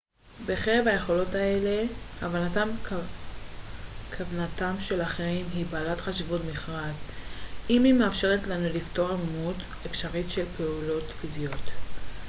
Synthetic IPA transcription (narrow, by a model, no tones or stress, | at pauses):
beχeʁevhaje̞χo̞lo̞tae̞le̞avanatam | kʰavnatamʃe̞laχeʁimɦibaːlatχaʃivutmiχʁad | imimeafʃe̞ʁetlanulifto̞ʁamumut | efʃaʁitʃe̞lpeulo̞tfizijo̞t̪